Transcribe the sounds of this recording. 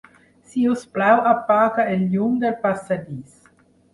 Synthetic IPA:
siusplawapːaːkaelːumd̪elpasːad̪iːs

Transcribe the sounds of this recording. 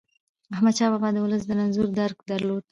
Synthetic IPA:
ahmad̪̚t͡ʃɑbɑbɑd̪ːəwʊləsd̪ənanzuɾd̪aɾɡd̪aɾlod̪̚

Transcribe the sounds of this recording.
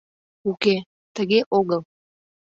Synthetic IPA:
uke | t̪əɣeʔoɣəlˠ

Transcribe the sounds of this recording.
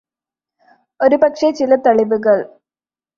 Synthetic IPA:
o̞ɾupɐkʂet͡ɕilɐt̪ɐɭiʋuɣɐɭ

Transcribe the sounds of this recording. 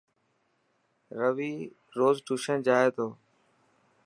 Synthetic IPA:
ɾəʋiː | ɾoːzʈuʃə̃nd͡ʒaːeːt̪oː

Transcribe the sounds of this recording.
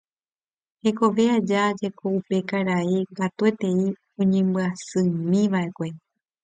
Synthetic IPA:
he̞ko̞ʋe̞ad͡ʒad͡ʒe̞ko̞upe̞kaɾaiŋɡat̪ue̞t̪e̞i | õɲẽ̞mbɨasɨmĩʋaʔe̞kʷe̞

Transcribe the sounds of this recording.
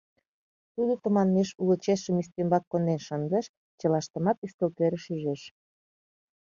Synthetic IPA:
t̪ulet̪əmɑnmeʃulə̆t͡ɕeʃəmyst̪embɑkːond̪enʃənd̪ə̆ʃ | t͡ɕə̆lɑʃt̪ə̆mɑt̪yskəlkøɾə̆ʃyʒeʃ

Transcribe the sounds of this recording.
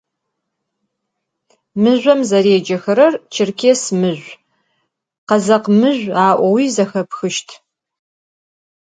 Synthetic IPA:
mɨʑʷɐmzɐɾeːd͡ʒɐxɐɾɐrt͡ʃʰɪrkʰʲeːsmɨʑʷ | qɐzɐqmɨʑʷaːʔʷɔwiːzɐxɐpxɨʃtʰ

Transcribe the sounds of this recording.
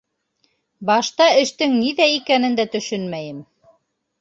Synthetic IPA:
bɑʃt̪ɑɘ̆ʃt̪ɘŋniðæikænɘ̆nd̪æt̪ɵ̆ʃɵnmæjɘm

